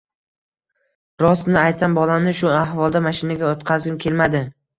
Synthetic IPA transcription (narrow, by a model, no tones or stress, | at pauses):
ɾɒsnɪajt̪sambɒlanɪʃʊahvɒlˠd̪amaʃɪnaɡʲaot̪qʰazɡʲɪmkʲʰe̞lmad̪ɪ